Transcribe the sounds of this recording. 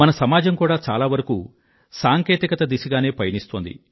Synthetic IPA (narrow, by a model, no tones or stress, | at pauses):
mɐnɐsɐmaːd͡ʒɐmkuːɽaːt͡ʃa̰ːlaːʋɐɾɐkuː | saːŋkeːt̪ikɐt̪ɐd̪isiɡaːne̞ːpɐjɐnist̪oːnd̪ḭ